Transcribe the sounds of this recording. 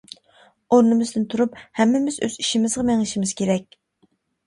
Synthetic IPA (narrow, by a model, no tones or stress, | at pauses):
oɾnɨmɨzd̪ɨnt̪ʰuɾuphɛmːɪmɪzø̰ziʃɪmɪzʁɑmɛŋɪʃɪmɪz̥kʲʰeɾɛk̚ʲ